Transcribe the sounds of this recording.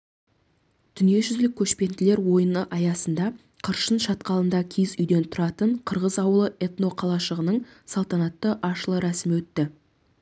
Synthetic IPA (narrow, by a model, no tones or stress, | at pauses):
d̪̥ʏnije̞ʒʏzlɪkʲʰːɵʃpe̞nd̪ɪle̞ɾwo̞jənəʔɑjɑsənd̪ɑ | qʰəɾʃənʃɑt̪qɑlˠənd̪ɑkʲʰezʏjd̪e̞nt̪ʰʊɾɑt̪əɴqʰəɾʁəzɑwəlˠəʔe̞t̪no̞qʰɑlˠɑʃəʁənəɴsɑlˠt̪ɑnɑt̪ːəʔɑʃəlˠəɾæsɪmɪwɵt̪ːɪ